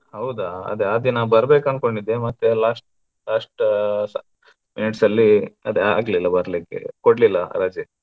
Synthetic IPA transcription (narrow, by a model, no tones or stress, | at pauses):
hɐwd̪aɐ̰d̪ead̪inaːʋbɐɾbeːkɐnkoɳɖid̪ːemɐt̪ːelaːʂʈ̚ | laːsʈ | miniʈsɐlːiɐd̪ea̰ːɡlilːɐbɐɾlikḛkoɽlilːɐɾad͡ʒi